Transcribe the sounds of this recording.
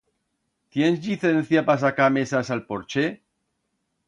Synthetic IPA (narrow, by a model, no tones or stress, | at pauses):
t̪jensʎiθenθjapas̬akamesasalpoɾt͡ʃe